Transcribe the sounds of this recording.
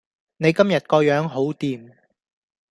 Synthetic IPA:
ne˨˧jkɐ˥mjɐ˨t̚kɔː˧jœː˨˥ŋɦo˨˥wt̪iː˨˩m

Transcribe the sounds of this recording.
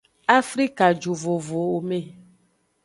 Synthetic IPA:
a˦fɾi˦ka˨d͡ʒu˨vo˨vo˨o˨me˦˨

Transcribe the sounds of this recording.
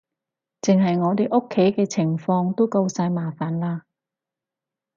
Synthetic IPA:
t͡sɪ˨ŋɦɐ˨jŋɔː˨˧t̪e˨˩jʔʊ˥kʰːe˨˥jkɛː˧t͡sʰɪ˨˩ŋfɔː˧ŋt̪o˥wkɐ˧wsaː˧jmaː˨˩faː˨˩nlaː˧

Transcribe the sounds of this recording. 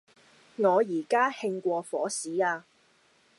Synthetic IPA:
ŋɔː˨˧jiː˨˩kaː˥hɪ˧ŋkʷɔː˧fɔ̰ː˨˥siː˨˥aː˧

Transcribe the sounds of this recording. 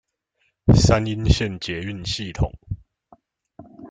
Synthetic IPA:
sa˦ni˦nɕjɛ˥˨nt͡ɕjɛ˨˦y˥˨nɕi˥˨˩t̪ʰʊ̰˨˩˦ŋ

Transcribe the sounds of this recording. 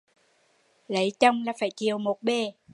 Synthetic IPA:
lə˨˦jt͡ɕə˧wŋ͡mlaː˨˩faː˧˩jt͡ɕi˨˩əwmo˨˩t̚ɓe˧˩

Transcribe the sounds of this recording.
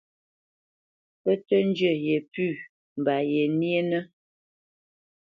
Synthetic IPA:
pə˦tə˦n˦d͡ʒə˦˨je˨pʉ˦˨ | m̩˨ba˨je˨ni˦e˦nə˦

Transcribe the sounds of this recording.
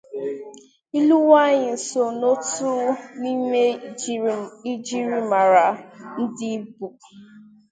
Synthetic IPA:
i˦lu˦wa˦ɲɪ˨n̩˨so˨no˦tu˦ɾu˦ni˦me˦ | i˦d͡ʒi˦ɾi˦ma˨ɾa˨n̩˦dɪ˦bu˨k

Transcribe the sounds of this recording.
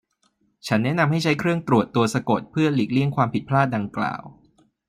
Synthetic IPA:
t͡ɕʰa˦˥nːɛ˦˥na˧mɦa˥˩jt͡ɕʰa˦˥jkʰɾɯ˥˩əŋt̪ɾu˨˩ət̪ːu˧əsa˧ko˨˩t̪̚pʰɯ˥˩ɐli˨˩k̚li˥˩əŋkʰwaː˧mpʰi˨˩t̪̚pʰlaː˥˩t̪̚da˧ŋkla̰ː˨˩w

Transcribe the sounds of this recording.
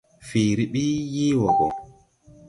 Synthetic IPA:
fiː˨ɾi˨ɓiː˦jiː˦wɔ˨ɡɔ˨

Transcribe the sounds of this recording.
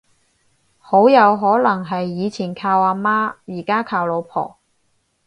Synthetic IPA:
ho˨˥wjɐ˨˧wɦɔː˨˥lɐ˨˩ŋɦɐ˨jːiː˨˧t͡sʰiː˨˩nkʰaː˧waː˧maː˥jiː˨˩kaː˥kʰaː˧wlo˨˧wpʰɔ̰ː˨˩

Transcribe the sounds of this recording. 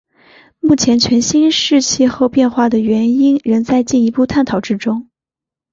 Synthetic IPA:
mu˥˩t͡ɕʰjɛ˧˥nt͡ɕʰɥɛ˧˥nɕi˥nʂɻ̩˥˧t͡ɕʰi˥˧xo˥˧ʊpjɛ˥˧nxwa˥˩d̪ə˩ɥɛ˧˥ni˥nɻə˧˥ŋt͡sa˥˧ɪt͡ɕi˥˩ni˧˥pu˥˧t̪ʰa˥˩nt̪ʰɑ˨˩ʊʈ͡ʂɻ̩˥ʈ͡ʂʊ˥ŋ

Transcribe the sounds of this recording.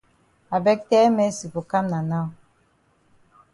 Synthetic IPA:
a˨bɛ˦k̚tɛ˦me˦si˨pu˨ka˦mna˨na˦

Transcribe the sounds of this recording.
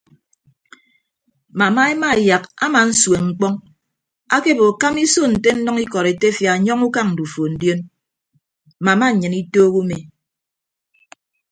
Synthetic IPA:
ma˨ma˦e˦ma˦˨ja˨ka˦ma˨n̩˦swe˨ŋ͡m̩˦k͡pɔ˦ŋ | a˦ke˦bo˨ka˦mi˦so˦n̩˨te˦n̩˦nɔ˦ŋi˦kɔ˨ɾe˨te˦fja˨ɲɔ˦ŋu˦ka˦ŋn̩˨du˨fo˨n̩˦djo˦n˨ | ma˨ma˦ɲ̩˨ɲɨ˨ni˦toː˦ɣu˦me˨

